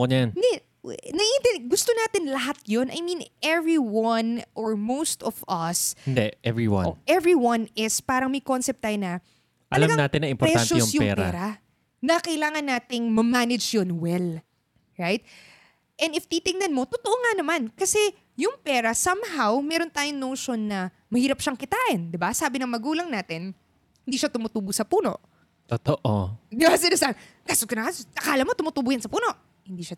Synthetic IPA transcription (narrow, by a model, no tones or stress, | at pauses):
onjannɛ | nɐʔint̪ɛɡʊst̪onaːt̪ɪnlɐɦat̪̚jonʔɐ̰jmĩnɛvɹiwɐnʔɔɹmowst̪ɔvɐsɪnd̪ɛʔɛvɹiwɐ̰ʔɛvɹiwɐ̃nɪspaːɾɐŋmɐjko̞nsɛp̚t̪ːaːjonɐ | ʔɐlɐmɡaŋnaːt̪ɪnːɐʔɪmpɔɾɛanʃoɛjsʊmjʊpŋɛ̰ːɾpa̰ɾɐ | nɐkɐʔɪlaːŋɐnːaːt̪ɪŋmɐmanɪd͡ʒjonwɛl | ɹajt̪̚ | ʔɛnd̪ɪft̪it̪ɪŋnɐnmo̞t̪ʊt̪oʔoŋanɐmankɐsɛ | jʊŋpɛːɾɐsɐmɦawmɛɾont̪aːjoŋnoːʃo̞nːɐ | mɐhiːɾɐp̚ʃɐŋkɪt̪aːʔɪnd̪ɪbasaːbɪnɐŋmɐɡuːlɐŋnaːt̪ɪn | hɪnd̪iːʃat̪ʊmʊt̪uːbʊsɐpuːno̞̰ʔ | t̪ot̪oʔod̪ɪbasɪnaːsakasokɐnɐkaʔɐkaːlɐmo̞t̪ʊmʊt̪uːbuːjansɐpuːno̞ʔ | hɪnd̪iːʃa